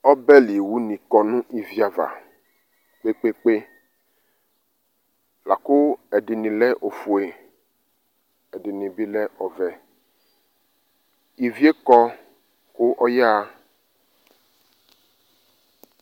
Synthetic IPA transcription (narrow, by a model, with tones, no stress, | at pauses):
ɔ˦bɛ˦li˨wu˦nĩ˨kɔ˨nũ˦ʔi˨vi˦a˨va̰˨ | k͡pe˦k͡pe˦k͡pe˦ | la˨kʊ˦ɛ˨dɪ˨nĩ˨lɛ˦ʔo˨fu˨e˨ | ɛ˨dɪ˨nĩ˨bi˦lɛ˦ʔɔ˨vɛ˨ | i˨vi˦e˦kɔ˦ | kʊ˦ʔɔ˦jɛ˦a˦